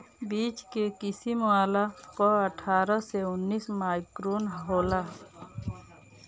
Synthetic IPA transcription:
biːt͡ʃkekɪsimwaːlakɔəʈʰaːɾəseʊnːiːsmaːjkɾoːnɦɦoːla

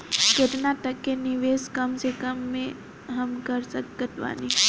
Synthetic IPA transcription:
kɪt̪nat̪əkːenɪʋeːskəmsekəmːẽ | ɦɐmkəɾsəkːət̪ʋa̰ːni

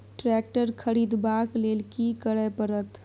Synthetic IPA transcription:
ʈɾɛk̚ʈəɾkʰəɾid̪baklelkikəɽəpəɾət̪

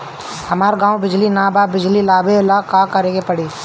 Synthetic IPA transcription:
hɐmaːɾɡãːwbɪd͡ʒlinaːbaːbɪd͡ʒlilaːbelaːkaːkəɾẽːɡepəɽiː

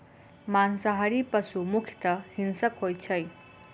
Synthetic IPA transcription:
mansʌɦaɾipʌsumukʰjt̪ʌhinsʌkɦojt͡sʰʌj

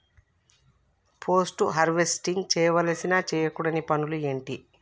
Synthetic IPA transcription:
pʰo̞ːsʈuɦɐɾʋesʈiŋɡt͡ʃɛːjɐʋɐlɐsinaːt͡ʃɛːjɐkuɽɐnipɐnulue̞ːɳʈi

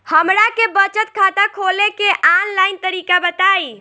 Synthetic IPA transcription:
həmɾakebət͡ʃət̪̚kʰat̪akʰolekeʔanlajnt̪əɾikabət̪ai

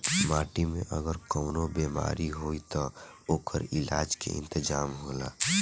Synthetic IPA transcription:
maːʈimẽʔəɡəɾkɔːnobeːma̰ːɾiɦoːit̪ɔoːkʰəɾɪlaːd͡ʒkḛɪ̰̃nt̪əd͡ʒaːmɦola̰ː

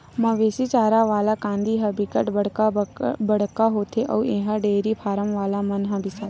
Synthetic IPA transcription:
mɐ̃ʋeːsit͡ʃaːɾaʋaːlakãːnd̪iɦɐbʱikəʈbəɽabɐɽ̤kaɦoːt̪ʰeʔɐ̰ueːɦãɖeːɾipʰaːɾəmʋaːlamɐnɦɐ̃bʱɪsa

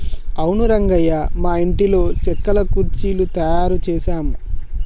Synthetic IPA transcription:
ɐwnuɾɐŋɡɐjɐmaːiɳʈilo̞ːsɛkːɐlɐkuɾt͡ʃiːlut̪ɐjaːɾut͡ʃɛːsaːmu

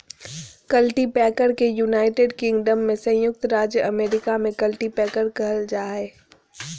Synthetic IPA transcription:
kɐlʈipɛːkəɾkejuːnaːɪʈeːɖkɪ̃ŋɡɖəmːẽsɐ̃jʊk̚t̪ɾaːd͡ʒjəʔɐmeːɾɪkamẽkɐlʈipɛːkəɾkɐɦəld͡ʒaːɦɛː

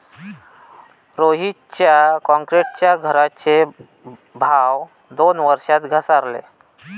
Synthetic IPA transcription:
ɾoɦi | t͡ɕjakɔ̃ŋkɾeʈ̚t͡ɕjaɡʱəɾat͡ɕe | bʱaw | d̪onʋəɾʂat̪ɡʱəsaɾlḛ

